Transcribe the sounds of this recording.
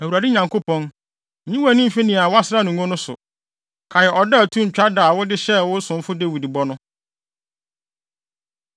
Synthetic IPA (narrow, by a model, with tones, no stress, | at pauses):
æ˨wu˨ɾa˨dɪ˦ɲã˨ŋkʰo˦pʰɔ̃˦n̩˨ | ɲĩ˦wa˦˨nĩ˦m̩˦fi˦nĩ˨a˨wa˦sɪ˦ɾa˦˨nũ˨ŋõ˦nʊ̃˦sʊ̰˨ | kʰa˨jɛ˨ʔɔ˨dɛ˦˨tʰũ˦ɲ̩˨t͡ɕᶣa˦da˨wʊ˦dɪ˦ɕɛ˦wʊ˦sʊ̃˨m˦fʊ˦de˦˨wi˨di˨bɔ˦nʊ̃˦